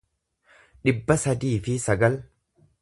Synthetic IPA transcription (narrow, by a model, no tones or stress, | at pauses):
ᶑɪbːɐsɐd̪iːfɪsɐɡɐl